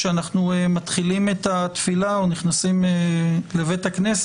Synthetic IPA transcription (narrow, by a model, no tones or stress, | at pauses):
eanaχnuemat̪χilimet̪at̪filaoniχnasimele̞vethaknes